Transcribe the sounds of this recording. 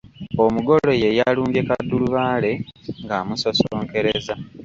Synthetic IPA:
omuɡo̞lo̞je̞jaluːɲɡekadːuluβaːle̞ŋɡaːmusosoːŋke̞ɾeza

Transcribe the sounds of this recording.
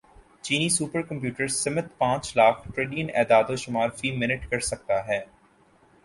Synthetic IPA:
t͡ʃiːniːsuːpəɾkɐ̃mpjuːʈəɾsɪmət̪pãːt͡ʃlaːkʰʈɾeːɖijənɛːd̪aːd̪oʃʊmaːɾfiːmɪnɪʈkɐɾsɐk̚t̪aɦɛː

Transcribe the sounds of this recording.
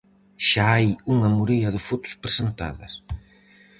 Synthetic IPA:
ʃaajuŋɐmuɾiɐðɪfot̪u̥spɾesent̪a̰ðɐs

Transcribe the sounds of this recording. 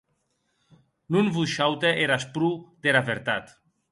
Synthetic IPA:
nunvuʃawt̪eʔeɾaspɾud̪eɾaβeɾt̪at̪

